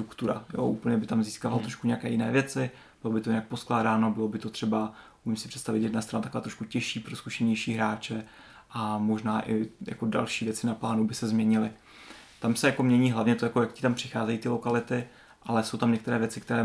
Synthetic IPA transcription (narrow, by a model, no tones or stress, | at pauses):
t̪ɾukt̪uɾa̰jo̰ʔuːpl̩ɲɛbɪt̪amziːskaːvalt̪ɾoʃkuɲɛjakɛ̰ːjɪnɛ̰ːvjɛt͡sɪ | bɪlobɪt̪ojɪnak̚posklaːdaːnobɪlo̞bɪt̪o̞t̪r̥ɛba | umɪmsɪpr̥ɛt̪st̪avɪt̪jɛdnast̪ɾanat̪akoaːt̪ɾoʃkucɛʃiːpɾo̞skuʃɛɲɛjʃiːɦɾaːt͡ʃɛ | ʔamo̞ʒnaːʔɪja̰ko̞da̰lʃiːvjɛt͡sɪnaplaːnubɪsɛzmɲɛɲɪlɪ | t̪amsɛjako̞mɲɛɲiːɦlavɲɛt̪ojakojakcɪt̪ampr̥ɪxaːzɛjiːt̪ɪlo̞kalɪt̪ɪ | ʔalɛso̞wt̪amɲɛkt̪ɛɾɛːvjɛt͡sɪk̚t̪ɛɾɛː